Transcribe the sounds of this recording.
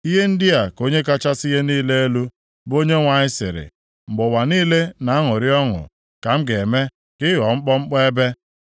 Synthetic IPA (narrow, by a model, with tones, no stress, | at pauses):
i˦ɦe˦n̩˦dɪ˦a˨ko˦ɲe˦ka˦t͡ʃa˦si˦ɦe˦niː˦le˦e˦lu˦ | bo˦ɲe˦ŋʷa˨ɲɪ˦sɪ̰˨ɾɪ̰˨ | ŋ͡m̩˨ɡ͡bʊ˨wa˨niː˦le˦na˨a˦ŋʊ˨ɾɪ˦ɔ˦ŋʊ̰˨ | ka˨m̩˦ɡe˨me˦ | kɪ˦ɣɔ˨ŋ͡m̩˦k͡pɔ˦ŋ͡m̩˦k͡pɔ˦e˦be˦